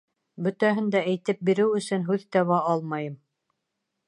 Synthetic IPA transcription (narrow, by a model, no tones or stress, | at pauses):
bɵ̆t̪æɦɘ̆nd̪æʔæjt̪ɘp̚biɾɘwɵ̆sɵnɦʉðt̪æwæɑlˠmɑjɤm